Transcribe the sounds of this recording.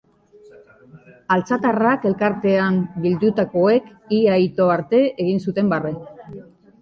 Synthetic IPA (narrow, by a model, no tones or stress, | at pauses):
alt͡sat̪arake̞lkaɾt̪e̞ambild̪ut̪ako̞e̞k | iajt̪o̞aɾt̪e̞eɣ̞insut̪e̞mbare